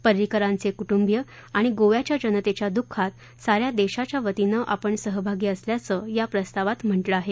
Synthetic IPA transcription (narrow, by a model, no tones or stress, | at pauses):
pəɾɾikəɾãnt͡sekuʈumbjə | aɽ̃iɡoʋjat͡ɕjad͡ʑənət̪et͡ɕjad̪ukʰːat̪̚ | saɾjad̪eɕat͡ɕjaʋət̪inəʔapəɳsəɦəbʱaɡiːəsljat͡səjapɾəst̪aʋat̪m̤əɳʈləaɦe